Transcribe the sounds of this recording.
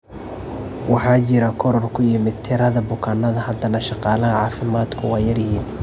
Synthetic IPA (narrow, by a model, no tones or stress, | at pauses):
wɑħɑːt͡ʃɪɾɐkʰɔɾɔrkʰʊjɪmɪd̪̚t̪ʰɪɾɐðɐbʊkʰaːnːɐðɐhɐd̪ɐnɐʃɑqɑːlɐɦʕɑːfɪmaːd̪kʰʊwɑːjɐrjɪɦiːn